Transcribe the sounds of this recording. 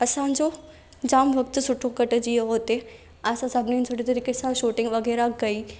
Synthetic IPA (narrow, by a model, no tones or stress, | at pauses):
ɐsãd͡ʑoː | d͡ʑaːmʋɐk̚t̪sʊʈʰːõkɐʈd͡ʑiɦoːt̪e | aːsãsɐbʱnent͡ʃʰoːʈit̪ɐɾiːkesãʃoːʈɪ̃ŋɡʋɐɡɛːɾaɡɐiː